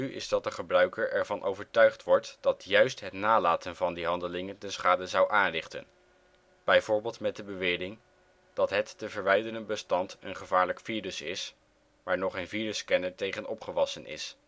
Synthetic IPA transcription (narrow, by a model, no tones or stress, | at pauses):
yɪ̰zdɑt̚dəχəbrœɥkəɹʔɛɹvɑnʔowvəɹtœɥχtʋɔɹtd̥ɑtjœɥstɦətnaːlaːtənvɑndiɦɑndəlɪŋəndəsχaːdəzɑwʔaːnrɪχtə̰n | b̥ɛjvʊːɹbɪːlˠtmɛt̚dəbəʋɪːdɪŋ | d̥ɑtɦɛtːəvəɹʋɛjdənənbəstɑntənχəvaːɹləkfiːrəsɪs | maːɹnɔχejnviːrəskɛnəɹtejχənɔpχəʋɑsənɪ̰s